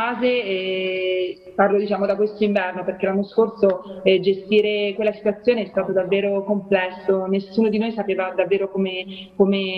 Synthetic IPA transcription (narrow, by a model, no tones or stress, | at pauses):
aːzeɛ | parlod̪it͡ʃaːmod̪akwest̪oiɱvɛrnoperk̟elːanːoskorsoɛd͡ʒest̪iːɾekwelːasi̥t̪wat̪sːjoːneɛst̪aːt̪od̪avːeːɾokomplɛsːonesːuːnod̪inoːjsapeːvad̪avːeːɾokomekome